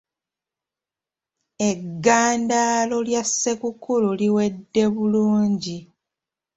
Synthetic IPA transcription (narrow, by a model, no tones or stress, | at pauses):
e̞ɡːaːndaːlo̞ljasːekukululiwe̞dːe̞βuluːɲɟi